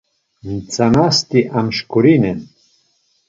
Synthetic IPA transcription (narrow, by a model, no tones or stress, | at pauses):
nt͡sanast̪iʔamʃkuɾinɛn